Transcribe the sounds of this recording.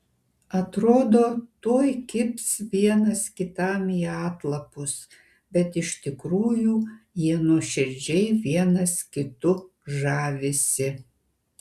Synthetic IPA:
ɐt̪ɾoːd̪oːt̪oːjkʲɪpʲsʋʲiɛnɐskʲɪt̪ɐmiːɑːt̪lˠɐpʊs | bʲɛt̪ɪʃt̪ʲɪkɾuːjuːjiɛnuʃʲɪɾʲd͡ʒʲɛɪʋʲiɛnɐskʲɪt̪ʊ | ʒɑːʋʲɪsʲɪ

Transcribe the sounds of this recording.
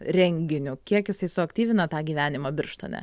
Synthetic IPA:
ɾʲɛŋʲɡʲɪnʲʊkʲiɛkjɪsɐɪsʊɐkt̪ʲiːʋʲɪnɐt̪ɑːɡʲiːʋʲæːnʲɪmɐbʲɪrʃt̪oːnʲɛ̰

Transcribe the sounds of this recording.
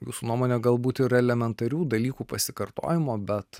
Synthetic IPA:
juːsuːnuɔmoːnʲɛːɡɐlˠbuːt̪ɪɾɛlʲɛmʲɛnt̪ɐɾʲuːd̪ɐlʲiːkuːpɐsʲɪkɐɾt̪o̰ːjɪmoːbʲɛt̪

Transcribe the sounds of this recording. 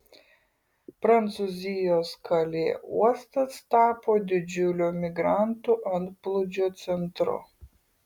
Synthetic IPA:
pɾɐnt̪suzʲijoskʰɐlʲḛːṵɔst̪ɐst̪aːpod̪ʲɪd͡ʒʲʊlʲomʲɪɡɾant̪ʊʔɐnt̪plˠʊd͡ʒʲot̪sʲɛnt̪ɾʊ̰

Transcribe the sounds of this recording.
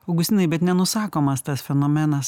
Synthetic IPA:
ɐʊɡʊsʲt̪ʲɪnɐɪbʲɛt̪nʲɛnʊsɑːkoːmɐst̪ɐsfʲɛnoːmʲɛnɐs

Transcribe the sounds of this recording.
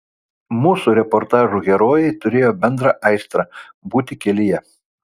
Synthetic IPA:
muːsuɾʲɛpɔɾt̪ɑːʒuːˑɡʲɛɾoːjɛɪt̪ʊɾʲeːjoːbʲɛnd̪ɾɑʔɐɪst̪ɾɑ | buːt̪ʲɪkʲɛlʲɪjɛ

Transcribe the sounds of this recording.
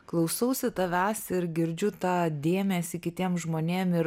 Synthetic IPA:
klˠɐʊsɐʊsʲɪt̪ɐʋʲæːsɪɾɡʲɪɾʲd͡ʒʲʊt̪ɑːd̪ʲeːmʲɛsʲɪkʲɪt̪ʲiɛmʒmoːnʲeːmɪɾ

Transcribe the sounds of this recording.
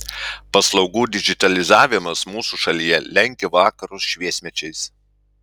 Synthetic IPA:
pɐslˠɒʊɡuːd̪ʲɪɡʲɪt̪ɐlʲɪzɑːʋʲɪmɐsmuːsuʃɐlʲijɛlʲɛŋʲkʲɪʋɑːkɐɾʊsʃʲʋʲiɛsʲmʲɛt͡ʃʲɛɪs

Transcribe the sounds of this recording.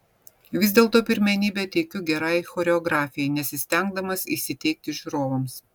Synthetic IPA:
ʋʲɪzd̪ʲeːlˠt̪oːpʲɪɾʲmʲɛnʲiːbʲɛt̪ʲɛɪkʲʊɡʲɛɾɐɪxoːɾʲɛɔɡɾɑːfʲɪjɛɪnʲɛsʲɪsʲt̪ʲɛŋɡ̚d̪ɐmɐsḭːsʲɪt̪ʲɛɪk̚t̪ʲɪʒʲuɾoːʋɐms

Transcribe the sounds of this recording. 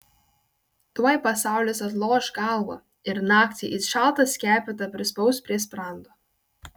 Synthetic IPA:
t̪uɔjpɐsɑˑʊlʲɪsɐt̪̬lˠoːʃɡɑˑlˠʋo̰ | ɪɾnɑːkt̪ʲɪʔɪsʃɑˑlˠt̪ɐsʲkʲæːpʲɪt̪ɐpʲɾʲɪspɔʊspʲɾʲis̬pɾɑˑnd̪oː

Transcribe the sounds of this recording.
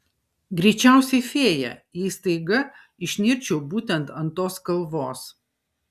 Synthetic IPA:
ɡɾʲɛɪt͡ʃʲæˑʊsʲɛɪfʲeːjɛ̰iːst̪ɐɪɡɐ | ɪʃʲnʲɪɾʲt͡ʃʲɛʊbuːt̪ʲɛnt̪ɐnt̪oːskɐlˠʋoːs

